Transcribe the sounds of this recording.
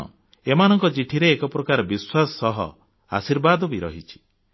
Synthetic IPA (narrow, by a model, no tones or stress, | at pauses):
ɔ̰ | emanɔŋkɔt͡ʃiʈʰiɾeːkɔpɾɔkaɾɔbiswasɔɔɦɔ̰ | a̰siɾbad̪ɔbiɾɔ̰ɦit͡ʃʰi̥